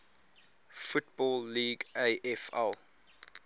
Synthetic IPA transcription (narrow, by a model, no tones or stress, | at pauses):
fut̚bɔlˠːiːɡeɪʔɛfɛ̰lˠ